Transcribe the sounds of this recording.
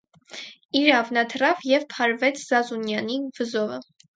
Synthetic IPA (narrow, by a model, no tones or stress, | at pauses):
iɾɑvnɑt̪ʰərɑvjɛvpʰɑɾvɛt͡sʰz̥ɑzunjɑnivəzɔvə